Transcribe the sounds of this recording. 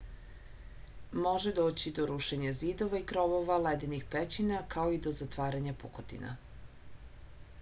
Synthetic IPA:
moʒed̪oːt͡ɕid̪o̞ɾuʃeɲaziːd̪o̞ʋaikɾoʋo̞ʋaled̪inixpet͡ɕinakao̞id̪o̞zat̪ʋaːɾaɲapukot̪ḭna̰

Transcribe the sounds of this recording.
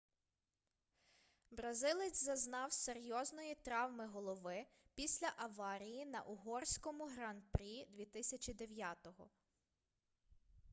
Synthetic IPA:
bɾɐzɪlˠɪt͡sʲzɐznɑwseɾʲjɔznɔjit̪ɾɑwmɪɦɔlˠɔʋɪ | pʲisʲlʲɐʔɐʋɑɾʲijinɐ̰ʔʊɦɔrsʲkɔmʊɦɾɑnpɾʲid̪ʲʋʲit̪ɪsʲɐt͡ʃʲid̪eʋʲjɑt̪ɔɦɔ

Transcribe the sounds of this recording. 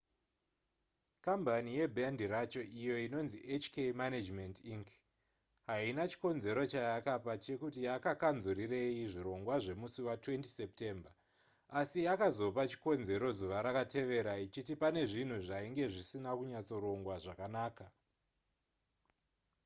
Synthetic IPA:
kambʱanije̞bʱandiɾat͡ʃo̞ʔijo̞ino̞nziʔet͡ʃkemanad͡ʒmendiŋk | ɦainat͡ʃi̥ko̞nze̞ɾo̞t͡ʃajakapat͡ʃe̞kutijakakanzurire̞iʐiɾo̞ŋɡwaʐe̞musiwatwe̞nti̥sep̚te̞ːmba | asijakazo̞pat͡ʃi̥ko̞nze̞ɾo̞zuʋaɾakate̞ʋe̞ɾait͡ʃitipane̞ʐin̤uʐaiŋɡe̞ʐisinakuɲat͡so̞ɾo̞ŋɡwaʐakanaːka

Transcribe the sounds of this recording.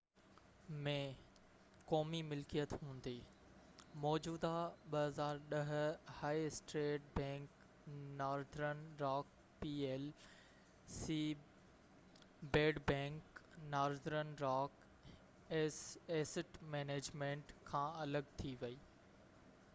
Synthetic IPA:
mẽ | kɔːmimɪlkijət̪ɦũːnd̪iː | mɔːd͡ʑuːd̪aɓɐɦɐzaːɾɗɐɦʊ̆haːisʈɾeːʈ̚bɛ̃ːŋk | naːɾzɾənɾaːk̚ | pieːl | si | beːɖbɛ̃ːŋknaːɾzɾənɾaːk | eseːsɪʈmɛːneːd͡ʑmẽːɳʈkʰãːɐləɡt̪ʰiʋɐiː

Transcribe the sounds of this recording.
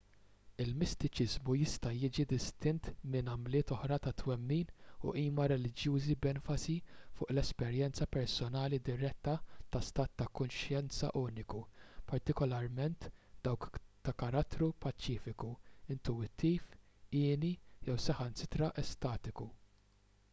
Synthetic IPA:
ɪlmɪst̪ɪt͡ʃɪzmujɪst̪ɐjɪd͡ʒid̪ɪst̪ɪnt̪mɪnɐmlɪːt̪ɔħɾɐt̪ɐt̪wɛmːiːnṵʔiːmɐɾɛlɪd͡ʒjuːzibɛnfɐsifʊːʔlɛspɛɾjɛnt͡sɐpɛɾsɔnɐːlid̪ɪɾɛt̪ːɐt̪ɐst̪ɐːt̪ːɐkʊnʃjɛnt͡sɐ̰ʔuːnɪkupɐɾt̪ɪkɔlɐɾmɛnt̪d̪̥ɐwkt̪ɐkɐɾɐt̪ːɾupɐt͡ʃːiːfɪkuɪnt̪uwɪt̪ʰːiːf | ɪːnijɛwsɐħɐnsɪ̥t̪ɾɐʔɛst̪ɐːt̪ɪku

